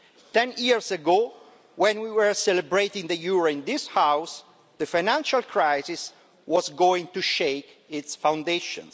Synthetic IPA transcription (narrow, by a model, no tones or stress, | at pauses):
t̪ɛ̃njiɹsəɡo | wɛ̃nwiwəɹsɛləbɹejt̪ĩŋd̪əjuɹoĩnd̪ishaws | d̪əfajnãnʃalkʰɹajzis | wɔzɡoĩŋt̪uʃejk | ɪtsfawnd̪eʃɔ̰̃ns